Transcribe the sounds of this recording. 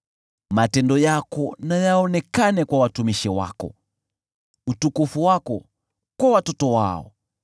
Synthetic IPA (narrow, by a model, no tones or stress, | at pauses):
matɛndɔjakɔnajaɔnɛkanɛkwawatumiʃɛwa̰kɔ̰ | utukufuwakɔ | kwawatɔtɔwaɔ̰